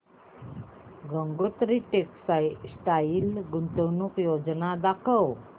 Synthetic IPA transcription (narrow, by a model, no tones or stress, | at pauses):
ɡəŋɡot̪ɾiʈeksajsʈailɡunt̪əwnukjod͡znad̪akʰəw